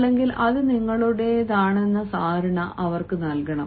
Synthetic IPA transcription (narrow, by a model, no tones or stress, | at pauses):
lːe̞ŋɡilʔɐðɨniŋːɐɭuɽe̞ðaːɳe̞nːɐsaːɾɐɳɐʔʔɐʋɐrkɨnɐlkɐɳɐm